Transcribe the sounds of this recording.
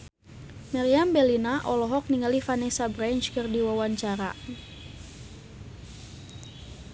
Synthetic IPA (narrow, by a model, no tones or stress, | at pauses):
maɾiambɛlinaʔɔlɔɦɔk̚niŋalifanɛsabɾaɲt͡ʃkərdiwawaɲt͡ʃaɾa̰